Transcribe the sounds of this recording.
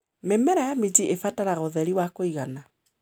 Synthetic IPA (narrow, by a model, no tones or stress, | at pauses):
memɛɾajamid͡ʒiʔefataɾaɣoðɛɾiwakoiɣana